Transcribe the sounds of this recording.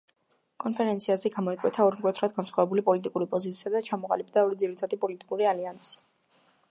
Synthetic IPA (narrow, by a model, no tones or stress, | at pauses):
kʼɔnpʰɛɾɛnt̪sʰiazɛɡamɔɛkʼwɛt̪ʰaɔɾmkʼwɛt̪ʰɾad̪ɡansχwavɛbulipʼɔlit̪ʼikʼuɾipʼɔzit̪sʰiad̪at͡ʃʰamɔqʼa̰lib̚d̪aɔɾid̪ziɾit̪ʰad̪ipʼɔlit̪ʼi̥kʼuɾialiansi̥